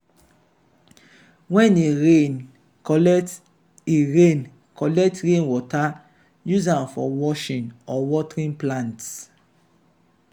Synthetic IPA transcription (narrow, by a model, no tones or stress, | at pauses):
wɛ̃neɹẽn | kɔlɛkt | iɹẽn | kɔlɛk̚tɹẽnwɔta | juzãnfɔwɔʃĩnɔwɔtɹĩnplãnts